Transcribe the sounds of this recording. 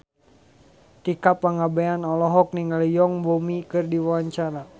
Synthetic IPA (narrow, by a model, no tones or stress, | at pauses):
t̪ikapːaŋabɛanɔlɔɦɔk̚niŋalijɔŋbomikɨrdiwawaɲt͡ʃaɾa